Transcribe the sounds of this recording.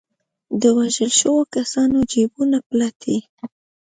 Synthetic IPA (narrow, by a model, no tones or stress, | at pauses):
d̪əwaʒəlʃəwokasɑnod͡ʒebunaplat̪ʰi